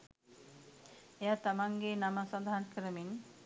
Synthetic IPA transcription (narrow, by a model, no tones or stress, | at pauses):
ejat̪amaŋɡenamasɔd̪aɦankəɾəmin